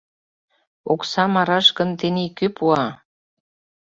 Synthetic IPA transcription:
oksɑmɑɾɑʃɣə̆nt̪enekøpuɑ

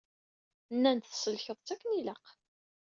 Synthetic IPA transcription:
nːænt̪θsəlçəðˤt͡sækːəniləq

